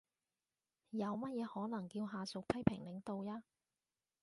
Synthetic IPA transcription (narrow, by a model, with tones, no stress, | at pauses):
jɐ˨˧wmɐ˥t̚jɛː˨˧hɔː˨˥lɐ˨˩ŋkiː˧wɦaː˨sʊ˨k̚pʰɐ˥jpʰɪ˨˩ŋlɪ˨˥ŋt̪o˨wjaː˥